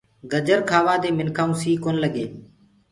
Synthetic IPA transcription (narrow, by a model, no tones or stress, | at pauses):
ɡəd͡ʒəɾkʰaːʋaːd̪eːmɪnkʰaːũːsiːkoːnləɠeː